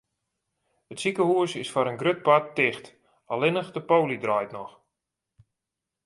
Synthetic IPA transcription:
ətsikəhuəsɪsfaɾənɡrøt̚patːɪxt | alɪnəxdəpowlidrɔjtnɔx

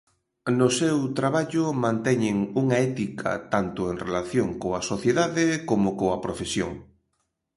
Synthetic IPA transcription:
nʊsɛwt̪ɾaβaʎʊmãnt̪ɛɲeŋuŋaɛt̪ikʰɐ̰t̪ant̪ʊeŋrelaθjoŋkoasoθjeðaðekomokoɐpɾofesjo̰ŋ

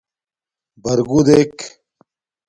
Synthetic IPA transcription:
bɐɾɡud̪ek

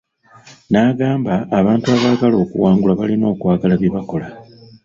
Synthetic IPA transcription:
naːɡaːmbaːβaːntuaβaɡalo̞ːkuwaːŋɡulaβalino̞ːkwaːɡalaβjeβako̞la

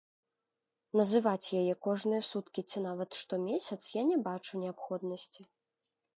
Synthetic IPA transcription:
nɐzɨvat͡sʲjajɛkɔʐnɨjɐsut̪kʲit͡sʲinavɐt̪ʂt̪ɔmʲesʲɐt̪sjanʲɛbat͡ʂunʲɛapxɔd̪nɐsʲt͡sʲi

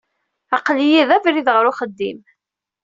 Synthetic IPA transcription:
ɑqlijiðævɾiðʁəɾʊχəd̪ːḭm

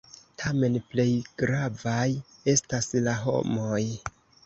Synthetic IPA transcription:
tʰame̞nple̞jɡ̥ɾavaje̞staslaɦo̞̰mo̞j

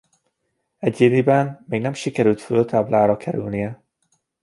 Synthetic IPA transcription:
ɛɟeːd̪ibɛnmeːɡnɛmʃikɛɾylt̪følt̪ʰaːblaːɾɒkʰɛɾylnijɛ

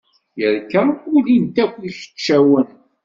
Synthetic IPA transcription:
jəɾkæulint̪ækʷːiçə̥t͡ʃːæwən

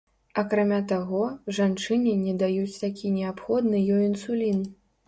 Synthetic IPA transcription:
ɐkɾamʲat̪aɣɔʐant͡ʂɨnʲinʲɛd̪ajut͡sʲt̪akʲʰinʲɛapxɔd̪nɨjɔjinsulʲin

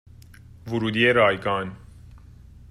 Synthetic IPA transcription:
vʊɾuːd̪ieɾɑːjkɑːn

